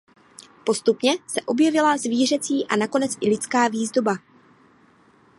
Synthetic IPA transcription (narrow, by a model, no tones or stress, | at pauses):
po̞st̪upɲɛsɛʔo̞bjɛvɪlazviːr̝ɛt͡siːʔanako̞nɛt͡sʔɪlɪt͡skaːviːzdo̞ba